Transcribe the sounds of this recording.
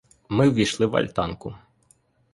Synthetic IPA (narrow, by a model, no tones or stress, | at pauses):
mɪwʋʲijʃlˠɪwɐ̰lʲt̪ɑnkʊ